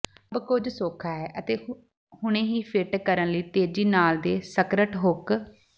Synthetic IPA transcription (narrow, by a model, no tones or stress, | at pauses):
əbkʊd͡ʒsoːkʰaːɦɛːʔət̪eː | hʊɽ̃ẽːɦiːpʰɪʈkəɾənləiːt̪eːd͡ʒiːnaːld̪eːsəkɾəʈɦʊk